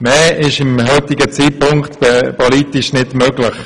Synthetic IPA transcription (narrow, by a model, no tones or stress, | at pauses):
mɛːʔɪʃɪmɦœt̪ɪɡət͡siːpʊŋktbɛpɔliːtɪʃnɪdmøɡlɪχ